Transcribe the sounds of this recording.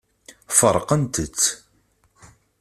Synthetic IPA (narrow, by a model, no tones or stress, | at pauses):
fəɾˤqənt̪ət͡sː